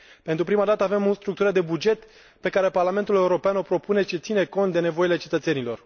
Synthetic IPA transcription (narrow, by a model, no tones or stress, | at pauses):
pent̪ɾupɾimad̪at̪əave̞most̪ɾuk̚t̪uɾəd̪e̞bud͡ʒe̞t̪ | pe̞kaɾe̞parlame̞nt̪ule̞uɾo̞peanopɾo̞pune̞t͡ʃet̪sine̞ko̞nt̪d̪e̞ne̞vo̞ile̞t͡ʃe̞t̪ət̪se̞nilo̞r